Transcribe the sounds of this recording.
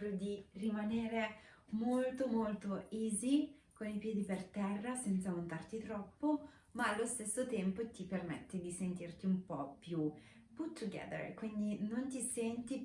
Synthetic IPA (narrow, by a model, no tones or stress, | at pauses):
ɾod̪irimaneːɾe | molt̪omolt̪oiːzi | konipjɛːd̪ipert̪ɛrːasɛnt̪samont̪art̪it̪ɾɔpːo | maːlːost̪esːot̪ɛmpot̪ipermɛt̪ːed̪isent̪irt̪iumpɔpːju | put̪ʰːuɡɛ̰ðə̰ɹkwind̪inont̪isɛnt̪i